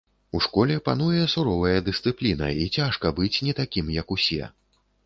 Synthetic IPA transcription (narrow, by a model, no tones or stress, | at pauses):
uʂkɔlʲɛpan̪ujɛsuɾɔvɐjɐd̪ɨst̪sɨplʲinɐ̰it͡sʲaʂkɐbɨt͡sʲnʲɛt̪akʲimjɐkusʲɛ̰